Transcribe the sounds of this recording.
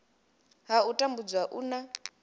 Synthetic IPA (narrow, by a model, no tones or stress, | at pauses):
ɦautʼambud͡zwaʔuna